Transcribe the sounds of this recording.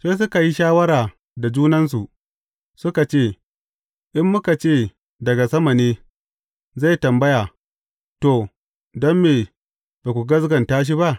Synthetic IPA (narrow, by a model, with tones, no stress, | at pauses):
seː˦s̬ʊ˦ka˨ji˦ʃaː˦wɐ˦ɾaː˨ | da˨d͡ʒuː˦nɐ˦ns̬u˨ | sʊ˦ka˨t͡ʃeː˦˨ | ʔɪ˦mːʊ˦ka˨t͡ʃeː˦˨ | dɐ˨ɡa˨sɐ˦mɐ˨neː˦ | za˦˨jtɐ˨mbɐ˦jaː˨ | to˨ | dɐ˦mːeː˨ | baː˨kʷu˨ɡɐ˦s̬ɡɐ˨ntaː˦ʃ̬i˦ba˦ʔ